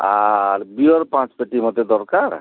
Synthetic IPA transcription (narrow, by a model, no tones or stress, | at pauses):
aɾbiɔɾpãt͡ʃpeʈimɔt̪ed̪ɔɾkaɾ